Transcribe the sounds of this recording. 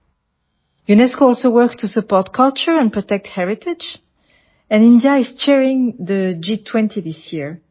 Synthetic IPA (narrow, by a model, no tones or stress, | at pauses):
junɛskoɔlˠsowɜ˞kstʰusəpɔɹtkʰʌlt͡ʃə˞ɛ̃npɹɔtɛk̚thɛɹɪtʰɪd͡ʒ | ɛ̃nɪ̃ndjaɪz̥t͡ʃɛɹɪ̃ŋðəd͡ʒitʰw̥ɛ̃ntʰiðisjiɹ